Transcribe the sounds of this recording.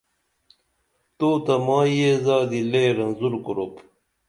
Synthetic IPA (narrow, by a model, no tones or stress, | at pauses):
t̪oːt̪ɐmaːjezaːd̪ileːɾɐnzuɾkuɾop